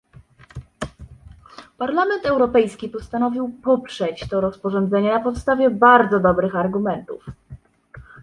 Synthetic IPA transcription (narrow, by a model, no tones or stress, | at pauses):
paɾlamɛnt̪ɛwɾɔpɛjskʲipɔst̪anɔvʲiwpɔpʂɛt͡ɕt̪ɔɾɔspɔʐɔnd̪zɛɲɛnapɔt̪st̪avʲjɛbaɾd̪zɔd̪ɔbɾɘxaɾɡumɛnt̪ṵf